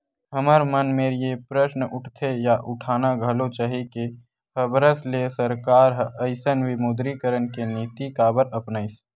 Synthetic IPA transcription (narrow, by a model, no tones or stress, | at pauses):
ɦəməɾmənmeːɾjepɾəʃnʊʈʰt̪ʰejaʔʊʈʰaːnaɡʱəlot͡ʃaːɦike | həbəɾəslesəɾkaːɾɦəɪsənʋɪmoːd̪ɾikəɾənkeniːt̪ikabəɾəpnaːɪs